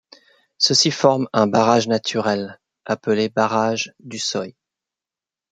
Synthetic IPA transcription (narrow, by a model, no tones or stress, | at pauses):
səsifɔʁmɛ̃baʁaʒnat̪ʰyʁɛl | apəlebaʁaʒd̪ysɔj